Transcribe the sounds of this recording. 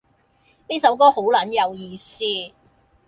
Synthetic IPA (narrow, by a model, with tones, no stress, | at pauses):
ne˥sɐ˨˥wkɔː˥ho˨˥wlɐ˨˥njɐ˨˧wjiː˨˧siː˥